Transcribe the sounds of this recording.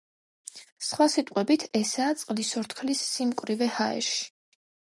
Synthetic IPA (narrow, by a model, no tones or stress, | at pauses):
sχwasit̪ʼqʼwɛbit̪ʰɛsaːt̪sʼqʼlisɔɾt̪ʰkʰlisːimkʼwɾivɛhaɛ̰ɾʃi̥